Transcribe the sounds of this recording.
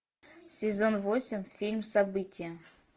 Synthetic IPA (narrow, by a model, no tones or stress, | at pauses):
sʲɪzonvosʲɪmʲfʲilʲmsɐbɨtʲɪjə